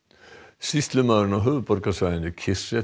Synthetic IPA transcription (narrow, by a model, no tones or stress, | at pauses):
sist̪lʏmaðɾɪnawɦœːvʏpɔɾkasaːjɪnɪcʰɪsɛ